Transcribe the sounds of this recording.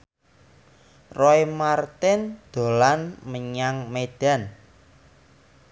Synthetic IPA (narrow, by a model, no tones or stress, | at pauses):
roemart̪ɪnd̪̥o̤lanməɲaŋmed̪̥a̤n